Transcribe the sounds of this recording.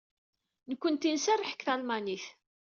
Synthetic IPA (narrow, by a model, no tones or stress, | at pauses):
nəkʷːənt̪insærˤːəħə̥kːθælmæniθ